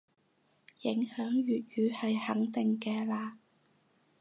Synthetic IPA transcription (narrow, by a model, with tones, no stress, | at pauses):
jɪ˨˥ŋhœː˨˥ŋjyː˨t̚jyː˨˥hɐ˨jhɐ˨˥ŋt̪ɪ˨ŋkɛː˧laː˧